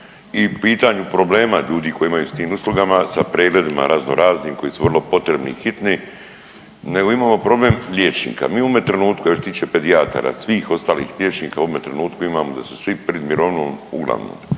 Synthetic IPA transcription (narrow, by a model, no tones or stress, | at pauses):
ipiːt̪aɲupɾo̞ble̞ːmaʎuːd̪iːko̞jiimajust̪iːmuslˠuɡamasapɾeːɡle̞d̪ima̰ɾazno̰ɾaːzniːmko̞jisuʋr̩lo̞po̞t̪ɾe̞bnḭixit̪ni | ne̞ɡo̞imaːmo̞pɾo̞ble̞mʎʲjet͡ʃnḭːka̰miːoomet̪ɾenuːt̪kujaoset̪iːt͡ʃepe̞d̪iat̪o̰ɾa̰sʋiːxo̞st̪aːlḭːxlʲjet͡ʃniːkauomet̪ɾenuːt̪kuimaːmo̞d̪asu̥sʋipɾed̪miɾoːʋno̰ːmṵɡlˠa̰ʋno̰ːm